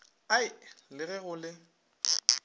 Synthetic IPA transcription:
aɪlɪɣɛɣʊlɪ

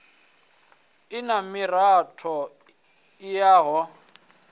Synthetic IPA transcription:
ɪnamɪratʰɔ | ɪjaːɦɔ

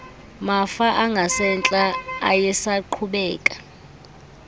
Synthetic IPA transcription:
mafaʔaŋɡʱasɛnt͡ɬʼaa̰jɛsaǃʰuɓɛːkʼḁ

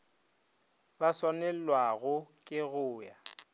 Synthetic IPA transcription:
basanɛl̩lwaɣʊkʼɪɣʊːja

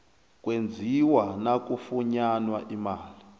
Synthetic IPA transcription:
k̬ʼwend͡zʱiwanak̬ʼufuɲanwaʔimaːli

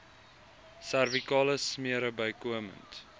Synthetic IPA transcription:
særvikɑːləsmiəɾəbəjkuəmə̰nt

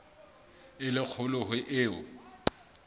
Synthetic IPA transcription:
ɪlɪk͡xʰʊlʊɦʊʔɪːʊ̰

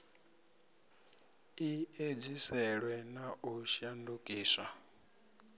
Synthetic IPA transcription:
ied͡zisɛɺwɛnaʔuʃandukʼiːswa

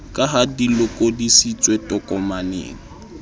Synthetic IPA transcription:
kʼaɦadilʊkʼɔdisit͡sʼwetʼɔkʼɔmanḛːŋ̩

